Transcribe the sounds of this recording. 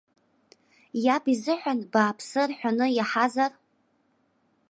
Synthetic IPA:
jabizɨħʷᶣanbaːpʰsɨrħʷᶣanɨjaħazar

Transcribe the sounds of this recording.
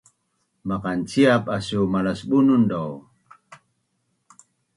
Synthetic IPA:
maqant͡siapasumalasɓunundɔw

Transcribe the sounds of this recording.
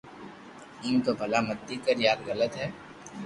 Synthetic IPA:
iːmk̪obʱɐlamɐt̪ːikəɾjaːɾɣɐlət̪ɦɛː

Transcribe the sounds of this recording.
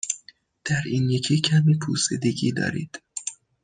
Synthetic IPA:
d̪̥æɾiːnjecʰiːcʰæmipʰṵːsed̪eɟiːd̪ɒ̰ːɾḭːd̪̥

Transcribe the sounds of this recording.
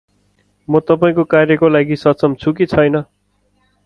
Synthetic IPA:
mʌt̪ʌpaĩkokarjʌkolaɡisʌtsʌmt͡sʰukit͡sʰʌjnʌ

